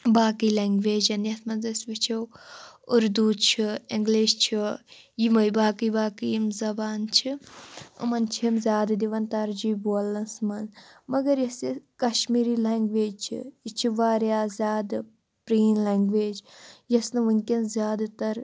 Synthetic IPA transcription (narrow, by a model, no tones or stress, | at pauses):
baːkilaːŋɡʋeːd͡ʒɐnjɐt̪ʰmɐnzɐsʋit͡ʃʰɐwʊɾd̪uːt͡ʃʰiɪŋɡleːʃt͡ʃʰi | jimɐjbaːkibaːkijimzɐbaːnt͡ʃʰiɐ̰mɐnt͡ʃʰiimzʲaːd̪ɨd̪iʋɐnt̪ɐɾd͡ʒiːbolɐnsmɐnmɐɡɐɾjɐsikɐʃmiːɾiːlaːŋɡʋeːd͡ʒt͡ʃʰḭit͡ʃʰiʋaːɾjaːzʲaːd̪ | pɾiːnleːŋɡʋeːd͡ʒjɐsnɨʋunʲkʲinzʲjaːd̪t̪ɐɾ